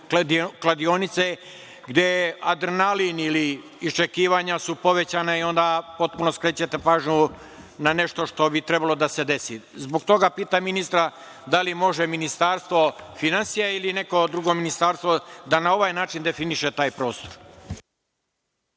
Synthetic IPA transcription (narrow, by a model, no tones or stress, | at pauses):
klˠad̪io̞nit̪se | ɡd̪jead̪ɾenaliniliː | st͡ʃe̞kiːʋaɲasupo̞ʋet͡ɕanaio̞nd̪apo̞t̪̚puno̞skɾeːt͡ɕet̪epaːʒɲu | nane̞ʃt̪o̞ʃt̪o̞bit̪ɾebalo̞d̪ase̞d̪e̞sizboɡt̪o̞ɡapiːt̪aminist̪ɾa | d̪alimo̞ʒeminist̪aɾst̪ʋo̞finansijailine̞ko̞d̪ɾuɡo̞minist̪aːɾst̪ʋod̪anao̞ʋajnaːt͡ʃind̪e̞finiʃe̞t̪aːjpɾo̞ːst̪oɾ